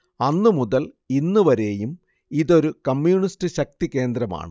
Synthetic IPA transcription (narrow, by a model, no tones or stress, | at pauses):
ɐnːɨmuðɐl | inːuʋɐɾe̞ːjum | iðo̞ɾukɐmjuːɳistɨɕɐk̚t̪ike̞ːnd̪ɾɐma̰ːɳɨ